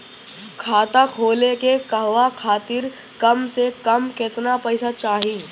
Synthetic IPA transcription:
kʰaːt̪akʰoːlekekɐɦʋakʰaːt̪ɪɾ | kɐmsekɐmkɪt̪napɛɪsat͡ʃaːɦiː

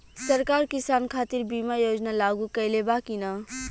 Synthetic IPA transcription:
səɾkaɾkisankʰat̪iɾbimajod͡ʒnalaɡukəjlebakinə

